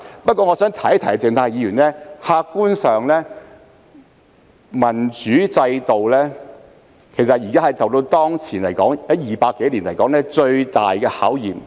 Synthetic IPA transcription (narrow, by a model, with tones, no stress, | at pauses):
pɐ˥t̚kʷɔː˧ŋɔ˨˧sœː˨˥ŋt̪ʰɐ˨˥jt̪ʰɐ˨˩t͡sɪ˨ŋt̪ʰaː˧jjiː˨˧jyː˨˩nlɛː˥haː˧kːuː˥nsœː˨ŋlɛː˥ | mɐ˨˩nt͡ʃyː˨˥t͡sɐ˧jt̪o˨wlɛː˥ | kʰe˨˩jsɐ˨t̚jiː˨˩kaː˥hɐ˨jt͡sɐ˨wt̪o˧wt̪ɔː˥ŋt͡sʰiː˨˩nlɐ˨˩jkɔː˨˥ŋjɐ˨˥jiː˨˩paː˧kːe˨˥jliː˨˩nlɐ˨˩jkɔː˨˥ŋlɛː˥t͡ʃɵ˧ɥt̪aː˨˩jkɛː˧haː˨˥wjiː˨m